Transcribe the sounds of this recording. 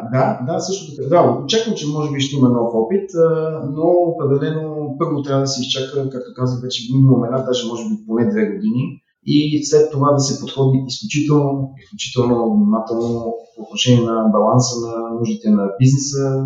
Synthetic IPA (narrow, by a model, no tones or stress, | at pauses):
d̪ad̪asɤʃt̪ʊt̪ɐkd̪aot͡ʃakəmt͡ʃɛmɔʒɛbiʃt̪ɛimənɔfɔpit̪noːpɾɛd̪ɛlɛnopɤɾvot̪ɾjavəd̪əsɛist͡ʃakəkak̚t̪okazvəxbɛt͡ʃɛɡminuomɛnat̪̚d̪aʒɛmɔʒɛbiponɛd̪vɛɡod̪ini | islɛt̪ːovad̪ɐsɛpot̪xɔd̪iisklʲut͡ʃit̪ɛlˠnoisklʲut͡ʃi̥t̪ɛlˠnovnimat̪ɛlˠnopoot̪noʃɛniɛnɐbɐlˠansənɐnuʒit̪ɛnɐbiznɛsə